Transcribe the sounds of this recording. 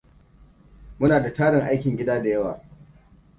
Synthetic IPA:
mʊ˦naː˨da˨taː˦ɽɪ˨ŋʔa˦jkʲɪ˨ŋɡʲɪ˦daː˦da˨jɐ˦waː˨

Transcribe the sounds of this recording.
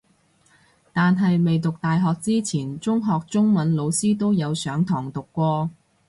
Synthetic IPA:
t̪aː˨nɦɐ˨jme˨jt̪ʊ˨k̚t̪aː˨jɦɔː˨k̚t͡siː˥t͡sʰiː˨˩nt͡sʊ˥ŋɦɔː˨k̚t͡sʊ˥ŋmɐ˨˥nlo˨˧wsiː˥t̪o˥wjɐ˨˧wsœː˨˥ŋt̪ʰɔː˨˩ŋt̪ʊ˨kːʷɔː˧

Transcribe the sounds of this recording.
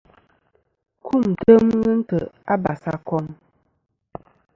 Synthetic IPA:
kʰu˦˨n̩˨tə˦mŋ˦n̩˦tə˨a˦ba˨sa̰˦kɔ˦m

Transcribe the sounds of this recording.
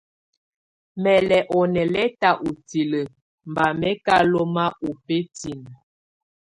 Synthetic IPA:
mɛ˨lɛ˨ʔɔ˨nɛ˨lɛ˦ta˨ʔu˨ti˨lə˨ | m˨ba˨mɛ˦ka˦lo˦ma˦ʔo˨pe˦ti˨n˨

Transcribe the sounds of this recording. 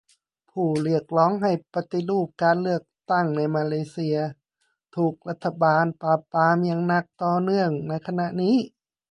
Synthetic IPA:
pʰuː˧˨˩lɯ˧˥˩ək̚lɔː˧˥ŋɦa˨˩jpa˧t̪i˧luː˧˩p̚kaː˧nlɯ˧˩ək̚t̪a˧˩ŋna˧˥jmaː˧leː˧si˧ɐ | t̪ʰuː˧˩k̚la˧˥t̪ʰːa˧baː˧npaː˧pːaː˧˥mjaː˧ŋna˧˩k̚t̪ɔː˧nɯ˧əŋna˧˥jkʰa˧na˧ʔniː˦˥˨

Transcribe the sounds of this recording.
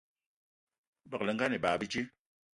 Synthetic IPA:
bə˨lɛ˨ŋ˦ɡa˦ni˨baː˨bi˦t͡ʃi˦

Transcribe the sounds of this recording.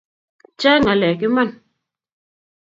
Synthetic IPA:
t͡ʃaː˦ŋa˨lɛ˨ki˦ma˦n

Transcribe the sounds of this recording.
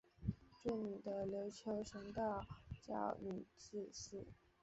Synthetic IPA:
ʈ͡ʂu˥˩ny˨˩d̪ə˦ljo˧˥ʊt͡ɕʰjo˧˥ʊʂə˧˥ŋt̪ɑ˥˩ʊt͡ɕjɑ̰˥˩ʊny˨˩t͡ɕ̩˥˧ʂ̩˥˩

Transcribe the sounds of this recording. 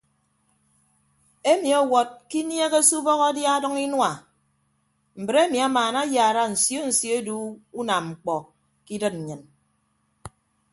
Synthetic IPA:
e˦mi˨ɔ˨wɔ˨t̚ki˦nje˦ɣe˦su˦bɔ˦ɣɔ˦dja˦dɔ˦ŋi˦nwa˨ | m̩˨bɾe˦mi˨a˦maː˨na˦ja˨ɾa˦n̩˨sjo˦n̩˨sjo˦e˦du˦u˦na˨mŋ͡m̩˨k͡pɔ˨ | ki˦dɨ˦t̚n̩˨ɲɨ˨n

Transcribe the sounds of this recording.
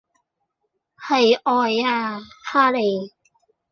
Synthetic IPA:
hɐ˨jʔɔː˨jaː˧haː˥le˨j

